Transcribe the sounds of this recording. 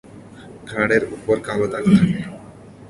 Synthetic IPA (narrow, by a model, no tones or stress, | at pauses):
ɡʱaɽeɾupoɾkalot̪akt̪ʰake